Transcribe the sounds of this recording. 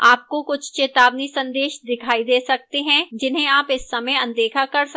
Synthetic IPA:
aːp̚kokʊt͡ʃʰt͡ʃeːt̪aːbnisɐ̃nd̪eːʃd̪ɪkʰaːid̪eːsɐk̚t̪eɦɛ̃d͡ʒɪnɦẽaːpɪsːɐməjɐ̃nd̪eːkʰakɐɾs

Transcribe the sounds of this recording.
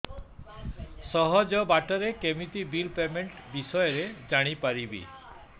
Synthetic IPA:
sɔɦɔd͡ʒɔbaʈɔɾekemit̪ibilpemeɳʈbisɔjɔɾed͡ʒaɽ̃ipaɾibḭ

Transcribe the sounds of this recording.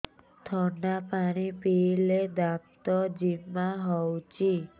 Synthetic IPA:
t̪ʰɔɳɖapaɽ̃ipiled̪ãt̪ɔd͡ʒimːaɦɔwt͡ʃʰi

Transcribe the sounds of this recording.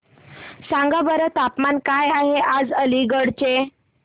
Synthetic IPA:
sãŋɡabəɾət̪apmankajaɦeʔad͡zəliɡəɽt͡ɕe

